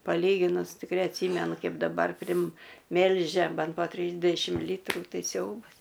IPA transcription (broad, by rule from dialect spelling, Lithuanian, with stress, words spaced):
pɐˈlʲiːɡʲɪnʊs tʲɪkˈrʲɛɪ ɐtʲˈsʲiːmʲɛnʊ ˈkɐɪp dɐˈbɐr pʲrʲɪmʲˈmʲɛlʲʒʲɛ ˈbʲɛn poː ˈtʲrʲiːzʲdʲɛʃʲɪm ˈlʲiːtruː ˈtɐɪ ˈsʲɛʊbɐs